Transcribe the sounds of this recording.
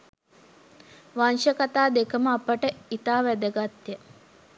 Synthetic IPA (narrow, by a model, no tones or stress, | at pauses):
ʋanʃəkat̪aːd̪ekəməapəʈəit̪aːʋæd̪əɡat̪jə